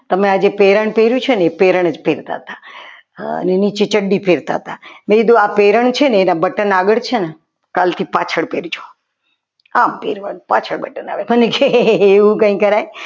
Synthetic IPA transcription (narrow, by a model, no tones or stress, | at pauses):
t̪əmead͡ʒepeɾəɳpeɾjũt͡ʃʰonepeɾəɳəd͡ʒpeɾt̪a̰ɦət̪a | ə̰nenit͡ʃet͡ʃəɖːipʰeɾt̪a̰ɦət̪amẽid̪ũapeɾəɳ̃t͡ʃʰeneːnabəʈənaɡəɭt͡ʃʰene | kalt̪ʰipat͡ʃʰəɭpeɾut͡ʃʰo̥ | ampḛɾʋənpa̰t͡ʃʰəɽbəʈəna̰ʋebənekeːʋũkə̃ĩkəɾaj